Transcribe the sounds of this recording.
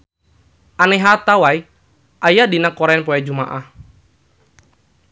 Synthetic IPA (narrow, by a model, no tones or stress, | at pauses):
ʔanɛɦat̪awai | ʔajadinakɔɾɛnpɔjad͡ʒumaʔah